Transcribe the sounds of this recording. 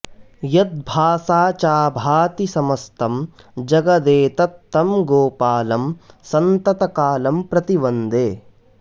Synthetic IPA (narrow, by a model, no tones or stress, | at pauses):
jɐt̪̚bʱaːsaːt͡ʃaːbʱaːt̪isɐmɐst̪ʰɐm | d͡ʒɐɡɐd̪eːt̪ɐt̪ːɐmɡoːpaːlɐm | sɐnt̪ɐt̪ɐkaːlɐmpɾɐt̪ibɐnd̪eː